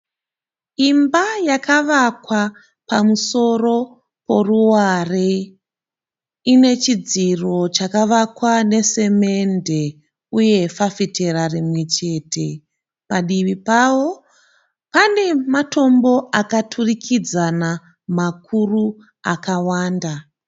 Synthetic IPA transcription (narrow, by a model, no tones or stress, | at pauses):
imbajakaʋakwa | pamuso̞ro̞ | po̞ruware | ine̞t͡ʃid͡ziro̞t͡ʃakaʋakwane̞se̞me̞nde̞ | uje̞fafitʰe̞ɾarimwe̞t͡ʃe̞ːtʰe̞ | paɗiʋipawo̞ | pane̞mato̞mbo̞akatʰurikʰid͡zana | makʰuru | akawaːnda